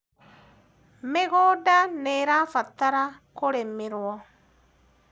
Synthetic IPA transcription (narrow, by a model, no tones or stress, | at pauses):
meɣodaneɾafat̪aɾakuɾemiɾwɔ